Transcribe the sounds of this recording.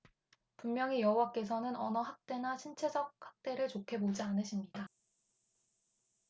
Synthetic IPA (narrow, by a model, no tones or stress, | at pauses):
pummjʌŋijʌɦuwak͈e̞sʰʌnɯnʌnʌɦak̚t͈e̞naɕʰint͡ɕʰe̞d͡ʑʌk̚hḁk̚t͈e̞ɾɯɭt͡ɕokʰe̞bod͡ʑianɯɕʰimɲida